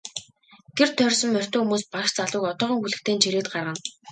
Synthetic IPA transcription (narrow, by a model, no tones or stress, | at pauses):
ɡ̥er̥t̪ʰːœrʲsɞ̆mːœr̥ʲt̪ɵːxumuːspaʃt͡saɮʊːkɔt̪ɔːʁɞ̆ŋxuɮɘ̆kt̪ʰeːnt͡ɕʰiɾeːt̪̚ɢarʁə̆n